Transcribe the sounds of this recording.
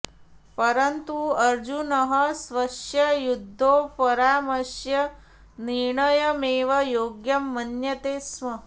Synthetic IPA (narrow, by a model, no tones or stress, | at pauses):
pɐɾɐnt̪uɐɾd͡ʒunɐɦɐsʋɐʃjɐjud̪ʱːoːpɐɾaːmɐsjɐ | niɾɳɐjɐmeːʋɐjoːɡjɐmːɐnjɐt̪eːsmɐ